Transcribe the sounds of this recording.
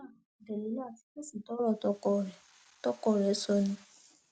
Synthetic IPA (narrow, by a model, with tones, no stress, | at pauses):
dɛ˨li˨˦la˦˨ti̥˨˦ke˦sĩ˨tɔ˨˦ɾɔ˦˨tɔ˧˦kɔ˧ɾɛ˨ | tɔ˦kɔ˧˨ɾɛ˨˦sɔ˧nĩ˧˦